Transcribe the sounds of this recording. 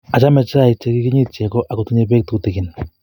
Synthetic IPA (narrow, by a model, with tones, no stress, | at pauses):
a˨t͡ʃa˦mɛ˨t͡ʃːi˨t͡ʃe˦ki˦kɪ˦ɲi˦t͡ʃɛ˨kɔ˦ʔa˨kʊ˨tu˦ɲe˦be˦k̚tu˨ku˨te˨kɪ˨n